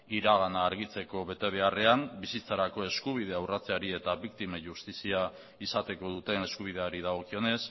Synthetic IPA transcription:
iɾaɣanaːɾɣit͡se̞ko̞βe̞t̪e̞β̞e̞are̞ambisit͡saɾako̞e̞skuβ̞iðe̞awrat͡se̞aɾie̞t̪aβikt̪imeʝust̪isia | isat̪e̞ko̞ðut̪e̞ne̞skuβ̞iðe̞aɾið̞aɣ̞o̞kio̞ne̞s

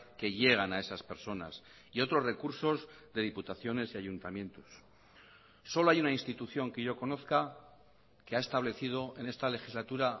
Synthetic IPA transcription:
ke̞ʎe̞ɣ̞anae̞saspe̞ɾso̞na̰s | io̞t̪ɾo̞zre̞kuɾso̞zðe̞ðiput̪aθjo̞ne̞siaʝunt̪amjẽ̞nt̪o̥s | o̞lo̞ajunainst̪it̪uθjo̞ŋke̞ʝo̞ko̞no̞θka | keae̞st̪aβle̞θið̞o̞ʔe̞ne̞st̪ale̞xizlat̪uɾa

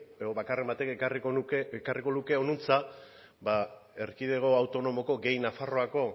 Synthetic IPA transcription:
eðoβakare̞mbat̪e̞kearikonukekariko̞luke̞o̞nunt͡sa | bae̞ɾkiðe̞ɣ̞o̞awt̪o̞no̞mo̞ko̞ɡe̞jnafaro̞ako̞

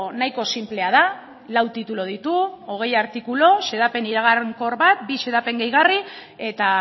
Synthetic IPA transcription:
najko̞simple̞að̞a | lawt̪it̪ulo̞ð̞it̪uo̞ɣ̞e̞jaɾt̪ikulo̞ʃe̞ðape̞niɾaɣ̞aɾŋko̞ɾβat̪̚biʃe̞ðape̞ŋɡejɣarie̞t̪a

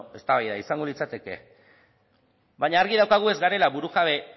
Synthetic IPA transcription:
e̞st̪aβajðaisaŋɡo̞lit͡sat̪e̞ke̞̰ | baɲaːɾɣiðawkaɣ̞ue̞zɡaɾe̞laβuɾuɣaβe̞

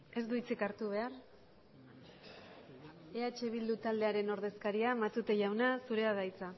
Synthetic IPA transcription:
e̞zd̪uit͡sikaɾt̪uβ̞e̞ar | eat͡ʃe̞β̞ild̪ut̪ald̪e̞aɾe̞no̞ɾð̞e̞skaɾiamat̪ut̪e̞ʝawnasuɾe̞aðajt͡sa

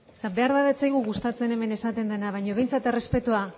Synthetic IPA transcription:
sabe̞aɾβaðet͡sajɣuɣust̪at͡se̞ne̞me̞ne̞sat̪e̞nd̪enaβ̞ajɲo̞βe̞jnt͡sat̪e̞re̞spe̞t̪ua

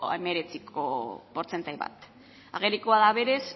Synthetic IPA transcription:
eme̞ɾe̞t͡sikʰo̞̰po̞ɾt͡se̞nt̪ajβa̰t̪ | aɣeɾikoaðaβe̞ɾe̞s

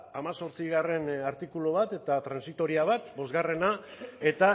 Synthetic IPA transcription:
amaso̞ɾt͡siɣare̞naɾt̪ikuloβat̪e̞t̪at̪ɾansit̪o̞ɾiaβat̪̚bo̞zɣare̞nae̞t̪a

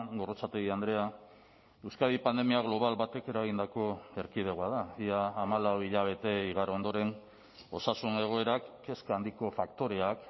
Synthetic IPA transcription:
ɡo̞rot͡sat̪eɣiand̪ɾe̞a | ewskaðipand̪emiaɣlo̞β̞alβat̪e̞ke̞ɾaɣ̞ind̪ako̞e̞ɾkið̞eɣwaðaiaːmalawiʎaβ̞e̞t̪e̞iɣ̞aɾond̪o̞ɾe̞n | o̞sasune̞ɣ̞o̞e̞ɾakːe̞skand̪iko̞fakt̪o̞ɾe̞ak

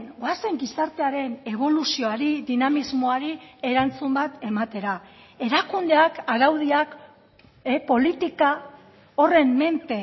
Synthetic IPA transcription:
ɡwase̞ŋɡisaɾt̪e̞aɾe̞ne̞β̞o̞lusio̞aɾiðinamizmo̞aɾie̞ɾant͡sumbat̪e̞mat̪e̞ɾa | e̞ɾakund̪e̞akaɾawð̞iak | epo̞lit̪ika | o̞re̞mme̞nt̪e

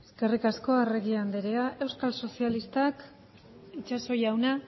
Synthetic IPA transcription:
eske̞rikasko̞ere̞ɣiand̪eɾeaʔe̞wskalso̞sialist̪ak | it͡ʃaso̞jawna

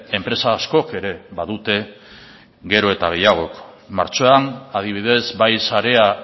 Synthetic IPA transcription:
e̞mpɾe̞saːsko̞ke̞ɾe̞βaðut̪e̞ | ɡe̞ɾo̞e̞t̪aɣ̞e̞jaɣ̞o̞k | ma̰ɾt͡so̞anaðiβ̞iðe̞zbajsaɾe̞a

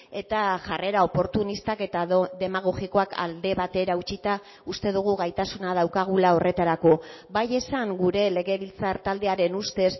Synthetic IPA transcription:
e̞t̪aʝare̞ɾao̞po̞ɾt̪unist̪ake̞t̪aðe̞maɣ̞o̞ɣiko̞akʰa̰ld̪e̞βat̪e̞ɾaut͡ʃit̪a | ust̪e̞ð̞uɣuɣajt̪asunað̞awkaɣulao̞re̞t̪aɾako̞ | baje̞saŋɡuɾe̞le̞ɣe̞βilt͡saɾt̪ald̪e̞aɾe̞nust̪e̞s

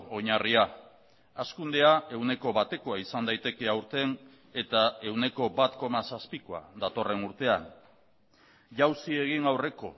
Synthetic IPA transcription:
o̞ɲaria | askund̪e̞ae̞wne̞ko̞βat̪e̞ko̞aisand̪ajt̪e̞ke̞awɾt̪e̞n | e̞t̪ae̞wne̞ko̞bat̪ko̞masaspiko̞a̰d̪at̪o̞re̞nuɾt̪e̞an | ʝawsie̞ɣ̞iŋawre̞ko̞

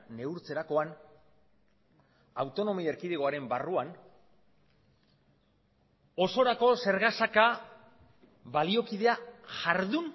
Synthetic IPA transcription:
ne̞uɾt͡se̞ɾako̞an | awt̪o̞no̞mieɾkiðeɣo̞aɾe̞mbaruan | o̞so̞ɾako̞se̞ɾɣasaka | βalio̞kiðe̞aʝaɾðun

